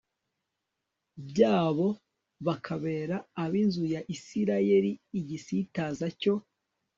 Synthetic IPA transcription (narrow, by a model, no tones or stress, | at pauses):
bɟaːβo̞ | βakʰaβe̞ːɾaːβinzujaʔisiɾaje̞ɾiːɟisitaːzaco̞